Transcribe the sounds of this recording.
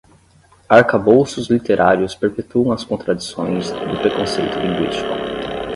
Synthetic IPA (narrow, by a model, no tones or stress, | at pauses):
aɾkabowsʊzlit̪eɾʔaɾjʊspeɾpet̪uɐ̃w̃ɐskõnt̪ɾad͡ʒisõ̰j̃zd̪ʊpɾekõsejt̪ʊlĩŋɡwḭst͡ʃi̥kʊ